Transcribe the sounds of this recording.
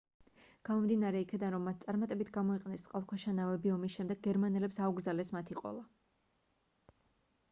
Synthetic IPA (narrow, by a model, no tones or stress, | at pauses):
ɡ̥amɔmd̪inaɾɛikʰɛd̪anɾɔmːat̪̚ʰt̪sʼaɾmat̪ʼɛbit̪ʰɡamɔiqʼɛnɛst̪sʼqʼalˠkʰɛʃanavɛbiɔmisʃɛmd̪ɛɡ̚ɡɛɾmanɛlɛpsauɡɾd̪zalɛsmat̪ʰiqʼɔ̰lˠa